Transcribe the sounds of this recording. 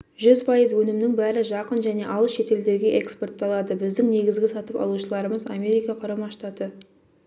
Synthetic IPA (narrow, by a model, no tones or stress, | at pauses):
ʒʏzpʰɑjəzwɵnɪmnɪŋbæɾɪʒɑqənʒæne̞ʔɑlˠəsʃe̞t̪e̞ld̪e̞ɾɡʲe̞ʔekspo̞rt̪ːɑlˠɑd̪əbɪzd̪ɪŋne̞ɡʲɪzɡʲɪsɑt̪əpɑ̰lˠuʃəlˠɑɾəməza̰mʲe̞ɾʲijkɑqʰʊɾɑmɑʃt̪ɑt̪ə